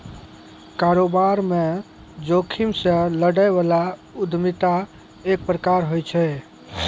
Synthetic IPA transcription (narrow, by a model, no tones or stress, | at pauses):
kaɾobaɾme | d͡ʒokʰimsə̃ləɽajbalaud̪ʱmit̪a | ek̚pɾəkaɾɦojt͡ʃʰɛ